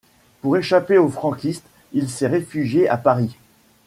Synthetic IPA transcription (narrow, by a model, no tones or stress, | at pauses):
puʁeʃapeofχɑ̃kʲist̪ | ilsɛʁefyʒjeʔapaʁi